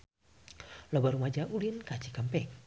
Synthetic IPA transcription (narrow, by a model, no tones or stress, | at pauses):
lobaɾumad͡ʒaʔulinkat͡ʃikampɛk̚